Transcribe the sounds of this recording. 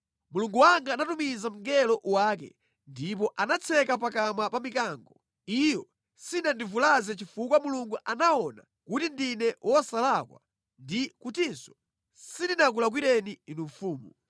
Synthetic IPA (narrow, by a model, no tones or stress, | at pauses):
muluŋɡuwaŋɡaːnatumizam̩ɡɛlɔʔwaːkɛ̰ | ndip̬ɔʔanat͡sʰɛkap̬akamapamikaːŋɡɔ | ijɔ | sinandivulazɛt͡ʃifukwamuluŋɡuʔanaɔna̰ | kutindinɛwʔɔsalakwa̰ | ndikutinsɔ̥ | sindinak̬ulak̬wiɾɛniinuɱfuːmu